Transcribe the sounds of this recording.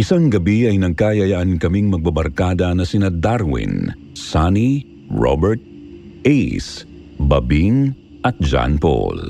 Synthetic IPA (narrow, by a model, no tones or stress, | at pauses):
ʔɪsaŋɡɐbiɐjnɐɡ̚kajɐjɐʔɐnkɐmiŋmɐɡ̚bɐbɐɾkaːd̪ɐnɐsɪnad̪aɾwḭn | sani | ɹo̰bɛɹt̪̚ | ɛjs | bɐbiŋ | ʔɐt̪̚d͡ʒa̰npo̰l